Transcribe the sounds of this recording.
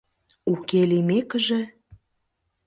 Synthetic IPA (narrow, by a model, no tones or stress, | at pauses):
ukelimekəʒĕ